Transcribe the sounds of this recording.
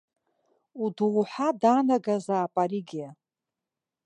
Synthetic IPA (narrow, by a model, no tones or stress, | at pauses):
uduʁħadanaɡazaːpʼaɾiɡʲia